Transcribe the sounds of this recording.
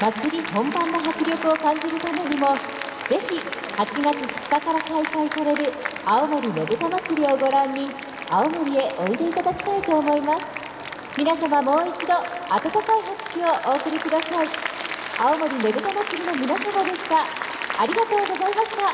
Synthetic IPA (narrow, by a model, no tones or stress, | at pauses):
makːɨɾʲihõ̞mbãnːoɦakɯ̟ɾʲo̞kɯ̟o̞kãɲ̟d͡ʑiɾɯ̟t̪ame̞ɲ̟imo̞ | z̥e̞çihat͡ɕiɡat͡sɨhɯ̥t͡sɨ̥kakaɾakaisaisaɾe̞ɾɯ̟aomoɾʲine̞ɡɯ̟t̪amat͡sɨɾʲio̞ɡo̞ɾãɲ̟ʲːi | aomo̞ɾʲie̞ʔo̞id̪e̞it̪ad̪akʲi̥t̪ait̪o̞ːmo̞imasɨ̥ | mʲinasamamo̞ːit͡ɕid̪o̞at̪at̪akaihakɯ̟̥ɕio̞ʔo̞ːkɯ̟ɾʲikɯ̟d̪asai | aomo̞ɾʲine̞ɡɯ̟t̪amat͡sɨɾʲino̞mʲinasamad̪e̞ɕi̥t̪aːɾʲiɡat̪o̞ːɡo̞zaimaɕi̥t̪a